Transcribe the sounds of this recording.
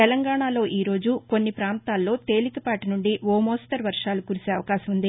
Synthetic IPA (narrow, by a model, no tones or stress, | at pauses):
t̪ɛlɐŋɡaːɳaːlo̞ːʔiːɾo̞ːd͡ʒuko̞nːipɾaːnt̪aːlːo̞ːt̪e̞ːlikɐpaːʈinuɳɖiʋoːmoːst̪ɐɾʋɐɾʂaːlukuːɾiseːɐʋɐkaːʃɐmund̪i